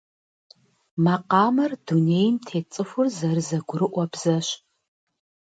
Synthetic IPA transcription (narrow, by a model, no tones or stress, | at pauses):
mɐqɑːmɐrduneːjntʰeːt͡sʼɨfʷʊzɐɾɨzɐɡʷʊɾɨʔʷɔbz̥ɐɕ